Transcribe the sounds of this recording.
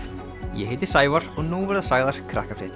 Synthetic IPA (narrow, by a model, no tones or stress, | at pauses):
jɛ̰hejt̪ɪ̥saːjvaɾ̥ɔɣnuvɛɾðasaːɣðaɾ̥kʰɾa̰hkafɾɪ̰ːt̪ɪ